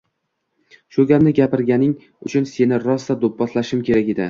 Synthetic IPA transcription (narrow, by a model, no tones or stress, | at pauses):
ʃɵɡʲamnɪɡʲapɪɾɡʲanɪŋ | ʊt͡ʃʰʊnse̞nɪɾɒsd̪ad̪ʊpːɒt̪ʰlaʃɪmkʲʰe̞ɾakʲed̪ɪ